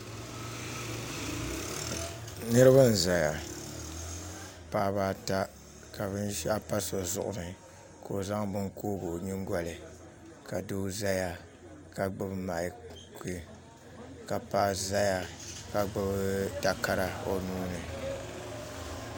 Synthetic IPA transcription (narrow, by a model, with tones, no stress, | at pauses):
nɨ˦ɾɨ˦ba˦n˨za˨ja˨ | paː˦βa˦ta˦ | ka˨βɨ˦nʃa˦pa˦so˨zʊ˨ʔʊ̰˨nɨ˨ | ko˨za˦ŋbɨ˦ŋkoː˦bo˨ɲi˦ŋ˦ɡʷa˨lɨ˨ | ka˨do˦za˦ja˨ | ka˨ɡ͡bɨ˦bma˨kʰi˦ | ka˨paː˦za˦ja˨ka˨ɡ͡bɨ˦bda˨ka˦ɾa˨o˨nuː˦nɨ˨